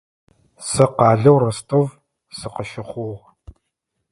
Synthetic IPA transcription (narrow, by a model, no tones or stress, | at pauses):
sɐqɑːɮɐwrɐstʰov | sɨqəʃɪχʷʊʁ